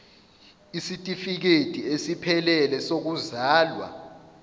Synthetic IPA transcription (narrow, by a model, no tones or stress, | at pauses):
isitʼifik̬etʼiesipʰɛlɛlɛsok̬uzaːlwa̰